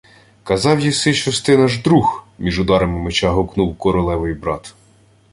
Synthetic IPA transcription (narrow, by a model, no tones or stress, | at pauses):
kɐzɑwjisɪt͡ʃɐst̪ɪnɐʒd̪ɾuxmʲiʒʊd̪ɑɾɐmɪmet͡ʃɑɦɔknuwkɔɾɔlˠɛʋɪjbɾɑt̪